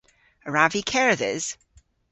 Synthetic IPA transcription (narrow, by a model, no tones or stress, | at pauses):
əɹavikʰɛɹəðɪ̰z̥